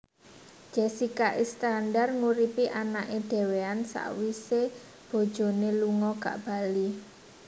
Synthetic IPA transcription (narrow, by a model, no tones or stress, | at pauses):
d͡ʒ̥ɛsikaʔist̪andarŋuɾipiʔanaʔed̥e̤weansa̰ʔwise | b̥o̤d̥ʒ̥ɔ̤neluŋɔɡa̰ʔb̥a̤li